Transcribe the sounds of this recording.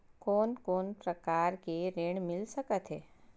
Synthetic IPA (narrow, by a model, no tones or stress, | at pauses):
koːnkoːnpɾəkaːɾkeɾeːɳ̃mɪlsəkət̪ɦe